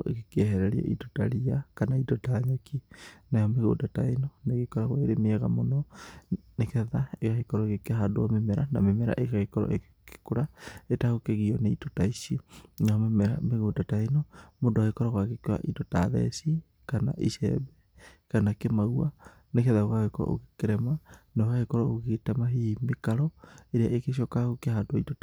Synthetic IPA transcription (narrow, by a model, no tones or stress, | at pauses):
ʔḛɣekɛɦɛɾɛɾia̰ʔḭtota̰ɾiakanaitɔtaɲɔkʰinajɔmeɣo̰dataenoneɣekɔɾaɣwaeɾemeɛɣamonɔ | nekɛðaekaɣekɔɾɔeɣekeɦadoɔmemɛɾanamemɛɾa̰ʔekaɣekɔɾɔ̰ʔe | ke̥koɾaetaɣokeɣiɔneitotaisinaameɣoːdataenɔmodoaɣekɔɾɔɣakekoa̰ʔitɔtaðɛ̰si | kana̰ʔiʃɛ̰bɛ | kanakemaɣua | nekɛðaokaɣekɔɔ̰ʔo̰kekeɾɛmanaokaɣekɔɾɔoɣetɛmaɦimekaɾɔeɾeaʔekeɕ̬jɔkaɣukehadoaitota